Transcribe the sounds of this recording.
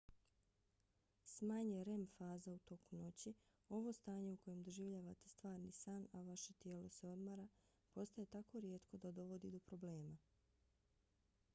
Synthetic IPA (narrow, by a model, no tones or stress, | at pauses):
smaːɲeɾe̞mfaːzaut̪o̞kuno̞t͡ɕi | o̞ʋo̞st̪aːɲe̞uko̞je̞md̪o̞ʒiːʋʎaːʋat̪e̞st̪ʋaːɾnisaːnaʋaʃe̞t̪je̞ːlo̞se̞o̞d̪maɾa | po̞st̪aje̞t̪ako̞ɾje̞ːt̪ko̞d̪ad̪o̞ʋo̞d̪id̪o̞pɾo̞bleːma